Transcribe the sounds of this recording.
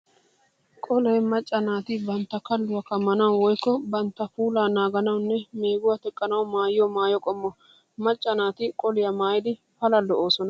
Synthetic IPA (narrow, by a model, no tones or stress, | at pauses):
kʼɔlɛjmɐt͡ʃʼːɐnaːt̪ɪbɐnt̪ːɐkɐlːʊwɐkɐmːɐnɐwwɔjkːɔbɐnt̪ːɐfuːlaːnaːɡɐnɐwʊnːɛme̞ːɡʊwɐt̪ɛkʼːɐnɐwʊmaːjjɔmaːjɔkʼɔmːɔ | mɐt͡ʃʼːɐnaːt̪ɪkʼɔlɪjɐmaːjɪd̪ɪ | fɐlɐlɔoːsɔnɐ